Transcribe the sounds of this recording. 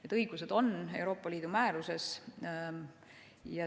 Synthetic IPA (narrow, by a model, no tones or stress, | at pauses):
et̪ːˑɤjɡ̥use̞d̪̥o̞ne̞wɾo̞ːpːˑɑliːd̪̥umæːɾuse̞s | jɑ